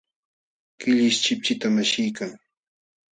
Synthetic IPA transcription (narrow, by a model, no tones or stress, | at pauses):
kɪʎɪʃt͡ʃɪp̚t͡ʃɪt̪amaʃɪjkaŋ